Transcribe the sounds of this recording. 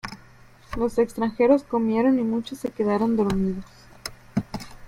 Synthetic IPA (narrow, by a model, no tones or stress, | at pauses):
lo̞se̞kst̪ɾaŋxe̞ɾo̞sko̞mje̞ɾo̞nimut͡ʃosːe̞ke̞ðaɾo̞nd̪o̞ɾmiðo̞s